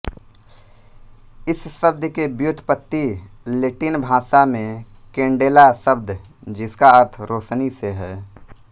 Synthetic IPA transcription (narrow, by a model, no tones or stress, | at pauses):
ɪsːəb̚d̪kebjʊt̪ʰpət̪ːi | leʈɪnbʱaːsamẽ | kẽːɳɖeːlasəbd̪ | d͡ʒɪskaəɾt̪ʰɾoːʃniseɦɛː